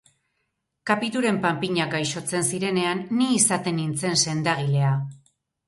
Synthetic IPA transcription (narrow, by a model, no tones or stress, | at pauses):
kapit̪uɾe̞mpampiɲaɡajʃo̞t͡se̞nsiɾe̞ne̞anːiːsat̪e̞nːint͡se̞nse̞nd̪aɣ̞ile̞a